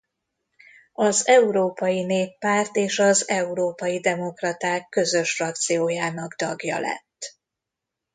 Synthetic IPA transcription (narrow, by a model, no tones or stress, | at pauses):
ɒzɛuɾoːpɒjineːpːaːrt̪eːʃɒzɛuɾoːpɒjid̪ɛmo̞krɒt̪aːkːø̞zø̞ʃfrɒk̚t̪sijoːjaːnɒɡt̪ɒɡjɒ̰lɛ̰t̪ː